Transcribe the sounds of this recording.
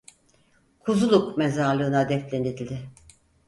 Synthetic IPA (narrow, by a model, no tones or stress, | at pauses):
kʰuzulˠukmezaɾlˠɯːnad̪ɛft̪lʲenid̪ilʲd̪ɪ